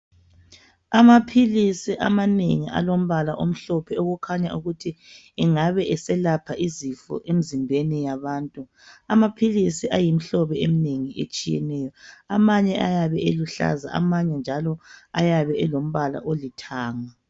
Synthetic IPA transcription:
amapʰilisiʔamanḛŋiʔa̰lom̩βalaʔom̩ɬɔpʰɛoɣukʰaɲauɣutʰi | ɛŋaβɛʔɛsɛlapʰaʔizifɔ̰ʔem̩zimbʱenijaβaːntʼu | amapʰilisiajim̩ɬɔβɛemineŋiʔḛt͡ʃʼijɛ̰nɛjɔamaɲɛʔajaβɛeluɬa̰za̰ʔa̰maɲɛnd͡ʒʱalɔajaβɛɛlom̩βala̰ʔolitʰaːŋa

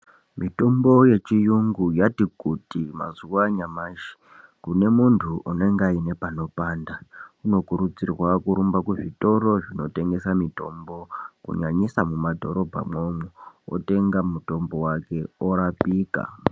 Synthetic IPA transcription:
mito̞mbo̞je̞t͡ʃijuŋɡujatikutima̰zuwaɲamaːʃi̥ | kune̞muntʰuʔune̞ŋɡaine̞pano̞paːndauno̞kuɾut͡sirwakuɾumbakuʐito̞ɾo̞ʐino̞te̞ŋɡe̞samito̞mbo̞kṵɲaɲisamumadʱo̞̰ɾo̞bʱa̰mwomuo̰te̞ŋɡamuto̞mbo̞wake̞oɾapiːka̰

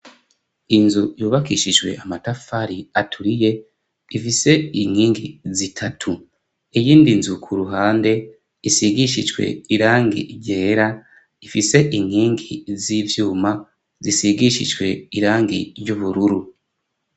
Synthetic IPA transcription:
inzujuːβakiʃid͡ʒwe̞̰ʔamatafaɾiatʰuɾije̞ | ifise̞iŋ̥hiːŋɡizitʰatʰu | ijiːndinzukʰuɾuɦaːnde̞ | isiɡiʃiʒɡwe̞̰iɾaːŋɡḭɟeːɾa | ifise̞ʔiŋ̥hiːŋɡizivjuːma | zisiɡiʃiʒɡwe̞̰iɾaːŋɡḭɾɟuβuɾuɾu

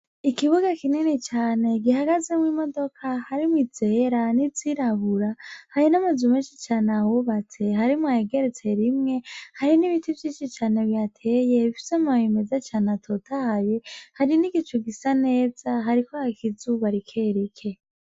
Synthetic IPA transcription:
ikiβuɡakininit͡ʃaːne̞ɡiɦaɡazemwimo̞do̞kʰahaɾimwize̞ːɾaniziɾaβuɾahaɾinamazumeːnʃit͡ʃaːnawuβat͡se̞ɦaɾimwaheɡe̞ɾet͡seɾimŋe̞haɾiniβitʰivjiːʃit͡ʃaːne̞βjatʰe̞ːje̞βifi̥semawime̞zat͡ʃaːnatʰotʰaaβjehaɾiniɡit͡ʃuɡisane̞ːz̥aɦaɾikʰoakʰizuβaɾikʰe̞ɾikʰe̞

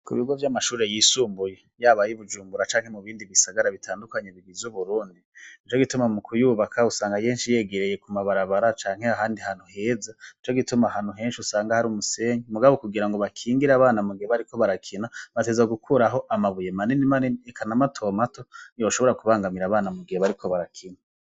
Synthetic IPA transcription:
kṵβiuɡovjamaʃuːɾe̞jiːsuːmbuje̞ | jaːβajiβud͡ʒuːmbuɾat͡ʃaːŋhemuβiːndiβisaɡaɾaβitʰaːndukaɲeβiɡizuβuɾuːndiit͡ʃo̞ɡitumamukʰujuβakʰausaːŋɡajeːnʃije̞ːɡe̞ɾeje̞kumaβaɾaβaɾat͡ʃaːŋ̥he̞aɦaːndihan̥huhe̞ːzait͡ʃo̞ɡitumahanhuɦe̞ːnʃusaːŋɡahaɾuːmuse̞ːɲimuɡaβokuɡiɾaŋɡoβakʰiːŋɡiɾaβaːnamuɡiheβaɾiko̞βaɾakʰinaβate̞ːzaɡukʰuɾaɦo̞ʔamaβuje̞maninimaninekʰanamatʰo̞mato̞ioʃo̞βo̞ɾakuβaːŋɡamiɾaβaːnamuɡiheβaɾikʰo̞βaɾakʰina

